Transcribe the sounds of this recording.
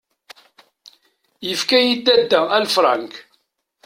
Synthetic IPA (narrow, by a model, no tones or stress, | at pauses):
jəfkæjid̪ːæd̪ːæælfɾˤɑ̰nk